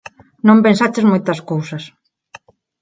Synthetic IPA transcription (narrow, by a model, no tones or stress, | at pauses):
nõmpẽnsat͡ʃɪzmojt̪ɐskowsɐs